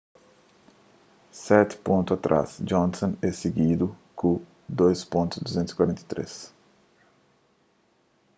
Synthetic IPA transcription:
sɛt̪ɪ̥põnt̪ʊat̪ɾʔa̰sd͡ʒõnsõnɛseɡid̪ʊkʊ̃ | d̪ojspõnt̪ʊzd̪uzẽnt̪ʊzikwaɾẽnt̪et̪ɾḛs

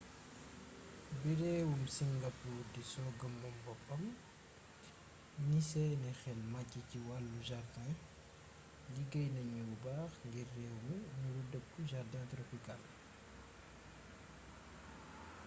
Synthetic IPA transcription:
biɾɛːwumsiŋɡapuːɾdisɔːɡɐmbɔmbɔpːɐm | nisɛnɛxɛlmacːiciwalːuʒardan | ɡiɡɐjnɐɲububaːxŋɡirːɛːwminuludəkːuʒardãntɾɔpikal

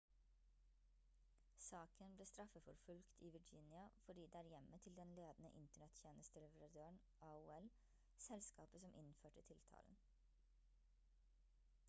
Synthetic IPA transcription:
sɑːkʰənbleːst̪ɾɑfəfɔɾfʉlkt̪ʰiːʋɪd͡ʒɪnɪɑfɔɖiːd̪eːæːɾjɛmət̪ʰɪld̪ɛnleːd̪n̩ə̰ʔɪnt̪əɳɛt̪çjeːnəst̪əlɛʋəɾɑd̪øːəɳ | ʔɑuːɛl | sɛlskɑːpəsɔmʔɪnføːʈət̪ʰɪlt̪ʰɑ̰ːln̩

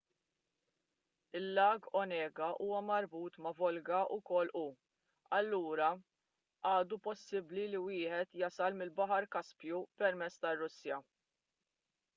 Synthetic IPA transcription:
ɪlːɐːɡɔnɛːɡɐʔuːwɐmɐɾbuːt̪mɐvɔlɡɐʔʊkɔlːʔu | ɐlːuːɾɐ | ʔɐːd̪upɔsːɪbliliwɪːħɛt̪jɐsɐlmɪlbɐħɐɾkɐspjupɛɾmɛt͡sːt̪ɐrːʊsːjɐ

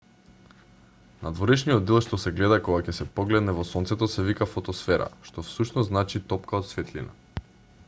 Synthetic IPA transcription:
nad̪vɔɾɛʃnijɔd̪̚d̪ɛlˠʃt̪ɔsɛɡlɛd̪akɔɡacɛsɛpɔɡlɛd̪nɛvɔsɔnt̪sɛt̪ɔsɛvikafot̪ɔsfɛɾa̰ʃt̪ɔfsuʃnɔznat͡ʃit̪ɔpkaot̪svɛt̪lḭna̰

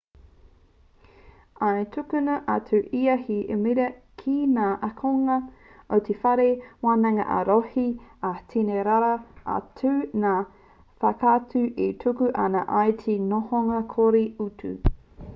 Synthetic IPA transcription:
aetʰukʉnɐʔɐtʰʉʔiɐhiḛmiɾɐ | kʰinaːʔɐkʰoŋɐ | ot̪ʰefɐɾewaːnɐŋɐ̰ʔɐ̰ɾohiɐtʰineɾaɾɐɐ̰tʰʉnaː | fɐkatʉʔetʰukʉʔɐnɐʔajtʰinohoŋɐkʰoɾiutʰʉ̰

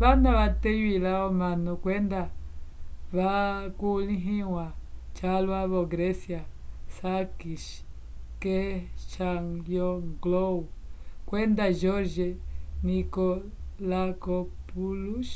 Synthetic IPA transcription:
βanãβat̪ejilaomãnũkwend̪a | βakulĩɦĩwãt͡ʃalwaβoɡɾesjasakiʃ | keʃaŋljoŋɡloukwend̪aʒoɾʒenĩko | lakopuluʃ

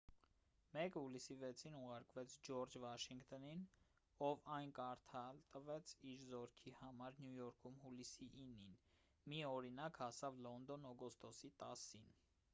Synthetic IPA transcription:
mɛkhulisivɛt͡sʰinuʁɑɾkvɛt͡sʰd͡ʒɔɾd͡ʒvɑʃiŋkt̪ɔnin | ɔvɑjnkɑɾt̪ʰɑlt̪əvɛt͡sʰiɾzɔɾkʰihɑmɑɾnjujɔɾkʰumhulisiʔːnːin | miɔɾinɑkhɑsɑvlɔnd̪ɔnɔɡɔst̪ɔsit̪ɑsin

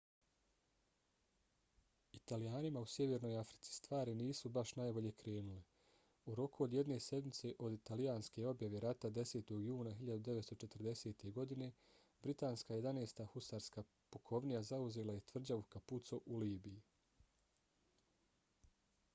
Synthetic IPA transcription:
it̪alijaːnimausje̞ʋe̞ɾnojafɾi̥t̪si̥st̪ʋaːɾiniːsubaʃnajbo̞ʎe̞ːkɾe̞ːnule | uɾo̞kuod̪je̞d̪ne̞se̞d̪mit̪se̞ʔo̞d̪it̪alijaːnske̞o̞bjaʋe̞ɾat̪ad̪e̞se̞ːt̪o̞ɡjuːnaɦiʎad̪ud̪e̞ʋet̪st̪o̞t͡ʃe̞t̪rd̪e̞se̞ːt̪e̞ɡo̞d̪ine̞ | bɾit̪aːnskaːjed̪aneːst̪axustaːɾskaː | pokʰo̞ʋnijazauze̞ːlajet̪ʋr̩d͡ʑaʋukaput̪so̞ʔuliːbiji

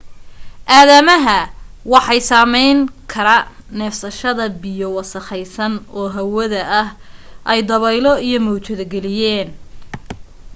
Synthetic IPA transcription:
ʔaːðɐmɐɦɐwɑħɑjsaːmɛjŋkʰɐɾɐnɛfsɐʃɐðɐbɪjɔwɑsɐχɛjsɐnʔɔːɦɐwɐðɐʔːhʔɛjd̪ɐβɛjlɔijɞmɔwt͡ʃɐðɐɡɛlɪjɛːn

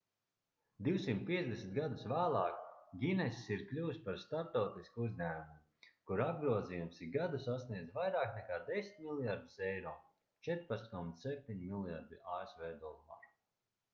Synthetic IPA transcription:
d̪iwsimt̪̚ʲpʲiɛzd̪ʲesʲnʲt̪̚ɡad̪usvæːlˠɑːkɡʲinɛssiɾklʲuːspaɾst̪aɾp̚t̪ɔwt̪iskuuzʲɲʲæːmumu | kuɾab̚ɡɾuɔzijumsiɡad̪usasniɛd̪zʲvajɾaːknɛkaːd̪esʲi̥nt̪ʲmilˠjaɾd̪u̥sɛjɾɔː | t͡ʃɛt̪ɾpat̪skɔmat̪ssɛp̚ʲt̪ʲiɲmilˠja̰ɾd̪iaːesvɛːd̪ɔlˠa̰ːɾ

